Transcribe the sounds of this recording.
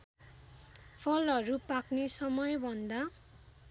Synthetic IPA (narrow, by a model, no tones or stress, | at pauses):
pʰʌlʌɾupaknesʌmʌjbʱʌnd̪a